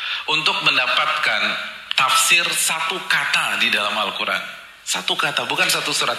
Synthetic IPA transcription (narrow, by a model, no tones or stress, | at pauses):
ʔunt̪ʊk̚məndapat̪̚kan | t̪afsɪrsat̪ukat̪adidalamhalkuɾa̰n | sat̪ukat̪abukansat̪usuɾat̪̚